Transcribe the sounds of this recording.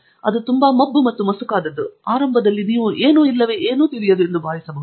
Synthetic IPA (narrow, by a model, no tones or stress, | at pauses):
ɐ̰d̪ut̪umbɐmɐbːumɐt̪ːumɐsukaːd̪ɐd̪ːuaːɾɐmbʱɐd̪ɐlːiniːʋuʔeːnuːilːɐʋeːʔeːnuːt̪iɾijɐd̪uend̪ubʱaːʋisɐmɐ